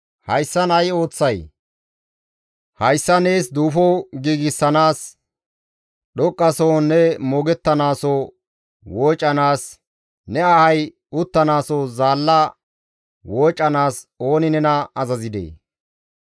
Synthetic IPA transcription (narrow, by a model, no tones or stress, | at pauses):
hɐjsːɐnɐjo̞ːt͡sːɐj | hɐjsːɐne̞ːsd̪uːfɔɡiːɡɪsːɐnaːs | ɗɔkʼːɐsɔwnːɛmɔɡɛt̪ːɐnaːsɔ | woːt͡ʃʼːɐnaːs | nɛɐhɐj | ʊt̪ːɐnaːsɔzaːlːɐ | woːt͡ʃʼːɐnaːso̞ːnɪnɛnɐɐzɐzɪd̪ḛː